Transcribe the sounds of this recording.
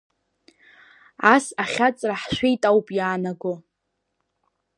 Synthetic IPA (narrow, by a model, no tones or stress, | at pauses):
asaχʲat͡sʼraħʃʷejtʼawpʼjaːnaɡo